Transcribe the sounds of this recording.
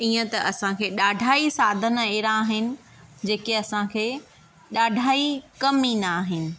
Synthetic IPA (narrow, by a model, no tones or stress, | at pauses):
iːə̃t̪ɐʔɐsãkʰeːɗaːɖʱaːisaːd̪ʱəneːɾãːɦɪnɪ̆ | d͡ʑeːkeɐsãkʰeː | ɗaːɖʱaːikɐminaːɦɪnɪ̆